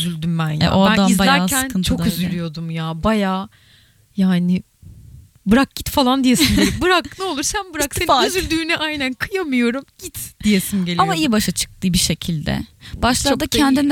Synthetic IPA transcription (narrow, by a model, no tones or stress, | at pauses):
zylʲd̪ymbænjaɛ̰ʔoad̪anibaj̪lʲæaɾsʰænkʰɯnt͡ʃʰo̞kyzylʲyjo̞d̪umjaːbajaː | jaːnɪ | bɯɾak̚ɟ̥it̪falˠand̪ijesinndelʲibɯɾak̚nɛo̞lˠuɾsænbɯɾaksenyzylʲd̪yːnɛʔajnænkʰɯjamɯjo̞ɾumɟ̥it̪d̪̥ije̞sinɟe̞lʲamaijbaʃat͡ʃʰɯ̥k̚t̪ʰɯːbiʃe̞cʰilʲd̪ɛ̰b̥aʃlˠaɾd̪acʰɛnd̪in